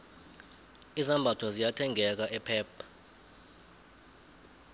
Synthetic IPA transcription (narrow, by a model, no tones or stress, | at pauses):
izambʱatʰɔzijatʰɛŋʱɛk̬aʔɛpʰɛːpʰḁ